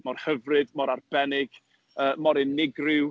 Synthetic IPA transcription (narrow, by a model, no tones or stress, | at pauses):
mɔrhəvrɨdmɔɾarb̥ɛnɪɡ̥ | əːmɔɾɪnːɪɡrɪw